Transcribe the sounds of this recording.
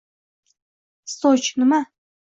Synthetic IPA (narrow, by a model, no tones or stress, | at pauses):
sot͡ʃnɪma